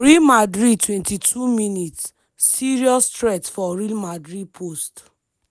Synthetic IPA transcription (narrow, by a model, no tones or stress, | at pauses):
ɹilmadɹid̚twɛ̃ntitʰuminitsː | iɹiɔstɹɛtfɔɹilmadɹid̚pʰost